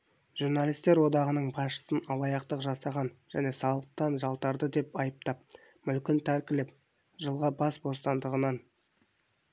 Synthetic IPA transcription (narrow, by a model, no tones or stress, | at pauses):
ʒurnalijst̪e̞ɾwo̞d̪ɑʁənəɴbɑsʃə̥sənɑlˠɑjɑqt̪əqʒɑsɑʁɑnʒ̥æne̞sɑlˠəqt̪ɑnʒɑlˠt̪ɑɾd̪əd̪e̞pɑjəp̚t̪ɑp̚mʏlkʲɪnt̪ʰæɾkʲɪlɪp̚ | ʒəlˠʁɑbɑsbo̞st̪ɑnd̪əʁənɑn